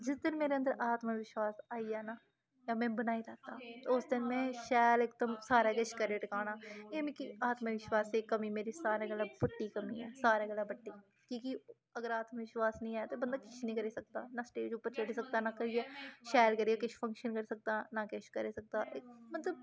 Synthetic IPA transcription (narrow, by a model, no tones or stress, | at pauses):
d͡ʒɪsd̪ɪnmeːɾeənd̪əɾʔaːt̪maʋɪʃwaːsaːiaːna | jaːmɛ̃ːbənaːilaːt̪a̰ːʊsd̪ɪnmɛ̃ːʃɛːleːk̚d̪əmsaːɾaːket͡ʃʰkəɾeːʈɪkaːnaːeːmẽkiaːt̪mãʋɪʃwaːsekɐmiːmeːɾisaːɾaɡɛlabʊʈːiːkɐmiːɛːsaːɾaɡɛːlaːbəʈːiː | kiːki | ɐɡəɾaːt̪maʋɪʃwaːsnĩːaːjat̪obənd̪aːkɪt͡ʃʰnəĩkəɾesək̚t̪aːnasʈeːd͡ʒupːəɾt͡ʃeɽisɐk̚t̪aːnakəɾiɛːʃɛːlkəɾiːekɪt͡ʃʰfʰɐ̃ŋkʃənkəɾisək̚t̪aːnakeʃkəɾeːsɐk̚t̪aːʔemɐt̪ləb